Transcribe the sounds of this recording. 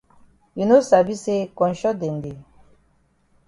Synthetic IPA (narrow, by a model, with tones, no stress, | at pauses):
ji˨no˦sa˨bi˦se˦kɔ̃˨n˨ʃɔ˦de˨nde˨